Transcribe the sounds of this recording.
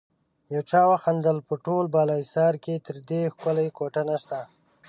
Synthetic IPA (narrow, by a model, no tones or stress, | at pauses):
jawt͡ʃɑwaxand̪əlpəʈolbɑlɑjsɑɾket̪əɾd̪exkʊlajkoʈanaʃt̪a